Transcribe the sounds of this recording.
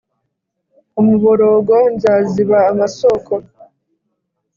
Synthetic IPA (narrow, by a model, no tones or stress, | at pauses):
umuβoɾoːɡonzaːziβaːmasokʰo